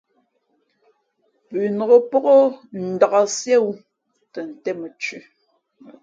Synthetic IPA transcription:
pʉ˨nɔ˨ɣo˦pɔ˦ɣo˦n̩˨da˨ɣa˨sje˦wu˦ | tə˨n̩˨tɛ˦mə˨t͡ʃʉ˦

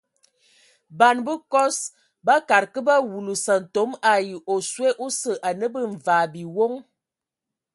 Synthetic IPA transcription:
ba˨nbə˦kɔ˦s | ba˦ka˨ɾkə˦ba˦wu˨lu˨sa˨n̩˨to˨˦ma˨ji˨ʔo˨swe˦ʔo˦sə˨ʔa˨nə˦bə˦ɱ̩˨va˨bi˨wo˦ŋ

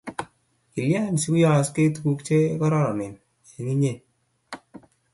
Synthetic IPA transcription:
ki˨lja˦˨n˨si˦ku˦jɔ˦˨ske˦tu˨ku˦kt͡ʃe˦kɔ˦ɾɔ˦ɾɔ˨nɪ˨n | e˨ŋi˦ɲe˦˨n

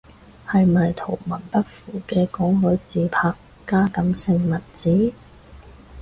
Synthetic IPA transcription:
hɐ˨jmɐ˨jt̪ʰo˨˩wmɐ˨˩npɐ˥k̚fuː˨˩kɛː˧kɔː˨˥ŋhɵ˨˥ɥt͡siː˨˧pʰaː˧kːaː˥kɐ˨˥msɪ˧ŋmɐ˨˩t̚t͡siː˨˥

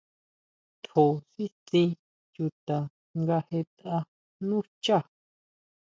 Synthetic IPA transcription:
t̪ho˨si˦t͡sĩ˧ | ju˧t̪a˨ | ŋɡa˧he˧t̪a˧ | nũ˦t͡ʃa˦˨

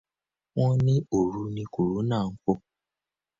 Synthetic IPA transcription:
wɔ̃˦nɪ̃˦o˨ɾu˨˦nĩ˦ku˨ɾu˨˦nãː˦˨ŋ̩˦kʊ˦

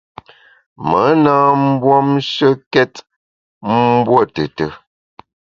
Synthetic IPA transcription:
mə˨˦naː˦m̩˦bwɔ˦mʃə˦kɛ˦t | m̩˦bwo˦˨tə˨tə˨

